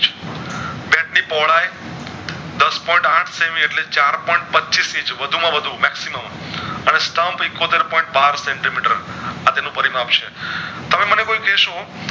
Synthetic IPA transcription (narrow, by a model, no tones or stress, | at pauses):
t͡ʃ | beʈnipɔɦɭaj | d̪əspɔĩɳʈaʈʰseʋieʈlet͡ʃaɾpɔĩɳʈ̚pətːt͡ʃisĩt͡ʃʋəd̪ʱumãʋəd̪ʱumɛksiməm | ənesʈəmpekːot̪eɾpɔ̃ĩɳʈ̚baɾsɛɳʈimiʈəɾat̪enũpəɾimapʃet̪əmemənekojkɛʃo